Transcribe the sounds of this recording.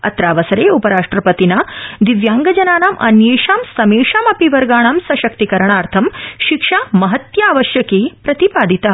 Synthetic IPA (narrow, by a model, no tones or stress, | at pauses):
ɐ̰t̪ɾaːʋɐsɐɾeːupɐɾaːʂʈɾɐpɐt̪inɐd̪iʋjaːŋɡɐd͡ʒɐnaːnaːmʔɐ̰njeːʂaːmsɐmeːʂaːmɐpiʋɐɾɡaːɳaːmsɐʃɐk̚t̪ikɐɾɐɳaːɾt̪ʰɐmʃikʂaːmɐɦɐt̪jaːʋɐʃjɐkeːpɾɐt̪ipaːd̪it̪ɐ